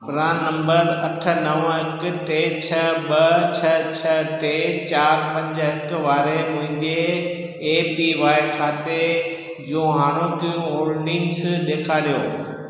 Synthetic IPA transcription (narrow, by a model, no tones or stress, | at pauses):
pɾaːnnɐ̃mbəɾɐʈʰənɐʋɦɪkʈeːt͡ɕʰɐbɐt͡ɕʰɐt͡ɕʰɐʈeːt͡ɕaːɾpɐ̃ɲd͡ʑəɦɪkʋaːɾemʊ̃ɦɪ̃ɲd͡ʑeː | piʋaːɪkʰaːt̪e | d͡ʑũːɦaːñõkijũoːɾɖɪ̃ŋɡsɗ̪eːkʰaːlijoː